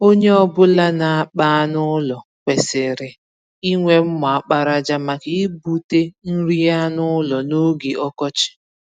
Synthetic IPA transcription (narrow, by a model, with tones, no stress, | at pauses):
o˦ɲe˦ɔ˦bʊ˦la˦na˨a˦k͡pa˦a˦nʊ˦lɔ˨kʷe˨sɪ˨ɾɪ˨ | i˦ŋʷe˦m̩˦mʊ˨a˨k͡pa˦ɾa˦d͡ʒa˦ma˨kɪ˦bu˨te˦n̩˦ɾi˦a˦nʊ˦lɔ˨no˦ɡi˨ʔɔ˦kɔ˦t͡ʃɪ̥˦